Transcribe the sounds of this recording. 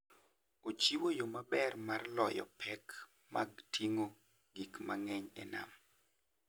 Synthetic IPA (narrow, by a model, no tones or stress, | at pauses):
ot͡ʃiwojomabɛrmarlɔjɔ̰pʰɛk | maɡtʰiŋo | ɡikmaŋɛɲɛna̰m